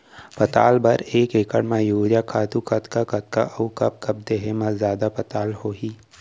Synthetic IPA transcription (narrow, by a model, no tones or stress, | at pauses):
pɐt̪aːlbɐɾeːkeːkəɽmãjoːd͡ʒakʰaːt̪ukɐt̪kakɐt̪̚ka̰ʔɐukɐp̚kɐb̚d̪eɦemɐzjaːd̪apɐt̪aːlhoːɦiː